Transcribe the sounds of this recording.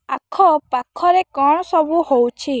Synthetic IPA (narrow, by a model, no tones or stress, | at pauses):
akʰɔpakʰːɔɾekɔɽ̃ɔsɔbuhowt͡ʃʰi